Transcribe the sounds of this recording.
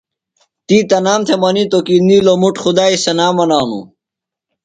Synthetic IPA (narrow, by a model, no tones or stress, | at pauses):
t̪iːt̪ɐnaːmt̪ʰemɐnit̪okiːnilomuʈxud̪aːisɐnaːmɐnaːnṵ